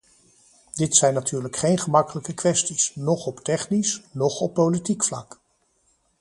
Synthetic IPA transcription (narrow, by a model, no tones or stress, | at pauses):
d̥ɪtsɛjnatyːɹləkχejnχəmɑkələkəkʋɛstisnɔχɔptɛχnisnɔχɔpːowlitikflɑ̰k